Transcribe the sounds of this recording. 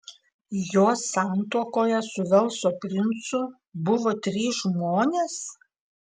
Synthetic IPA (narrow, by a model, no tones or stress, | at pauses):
joːsːɑˑnt̪uɔkoːjɛsʊʋʲɛlˠˑsoːpʲɾʲɪnt̪sʊ | bʊʋoːt̪ʲɾʲiːsʒmoːnʲeːs